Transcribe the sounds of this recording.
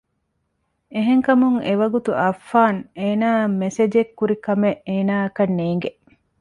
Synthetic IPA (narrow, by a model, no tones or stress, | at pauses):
eɦeŋkɐmuŋeʋɐɡut̪uʔɐfːaːneːnaːmːesed͡ʒekːuɾikɐmeʔeːnaːɐkɐnːeːŋ̆ɡeʔ